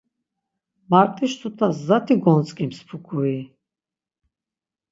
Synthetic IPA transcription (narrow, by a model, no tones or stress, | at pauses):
maɾt̪ʼiʃt̪ʰut̪ʰaszat̪ʰiɡɔnt͡sʼkʼimspʰukʰui